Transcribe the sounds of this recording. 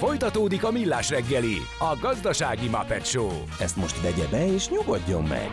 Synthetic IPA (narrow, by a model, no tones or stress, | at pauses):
fo̞jt̪ɒt̪oːd̪ikɒmilːaːʃrɛɡːɛli | ɒɡɒzd̪ɒʃaːɡimɒpɛt̪ʃoː | ɛst̪mo̞ʃt̪vɛɟɛbɛeːʃɲuɡoɟːo̞mːɛ̰ɡ̥